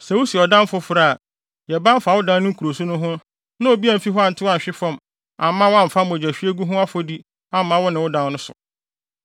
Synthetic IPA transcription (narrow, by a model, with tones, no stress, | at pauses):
sɛ˨wʊ˦si˨ɔ˨dã˦m˦fʊ˦fʊ˨ɾa˦˨ | jɛ˨bã˦m̩˦fa˨wʊ˦dã˦n˦ʊ̃˦ŋ̩˦kʰu˨ɾo˨sũ˦nʊ̃˦ɦʊ̃˦ | nã˦o˨bi˦æ˨m̩˦fi˦ɦɔ˦a˨n̩˨tʰɪ˦wã˦˨ɕᶣɪ˦fɔ̃˦m | ã˨˦mːã˦wɔ˦ã˨m̩˨fa˦mo˨d͡ʑæ˨ɕᶣi˦e˦ɡu˦ɦʊ̃˦a˦fo˦di˦ | a˦˨mː˦ã˦wʊ˦nɪ̃˨wʊ˦dã˨˦n˦nʊ̃˦sʊ̰˨